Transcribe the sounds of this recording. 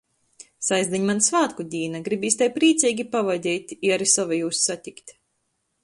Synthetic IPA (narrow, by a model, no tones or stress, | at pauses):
sajzd̪ɛɲmansvaːt̪kud̪ʲiːnaɡɾibiːsʲt̪ajpɾiːt̪sʲiːɡʲipavad̪ʲiːt̪ʲiaɾisɔvajuːssat̪ʲikt̪ʲ